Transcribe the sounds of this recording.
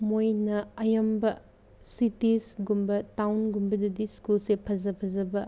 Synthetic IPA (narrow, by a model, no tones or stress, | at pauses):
mojnɐɐjɐmbɐ | sitisɡumbɐtawnɡumbɐdɐdiskulsepʰɐzɐpʰɐzɐbɐ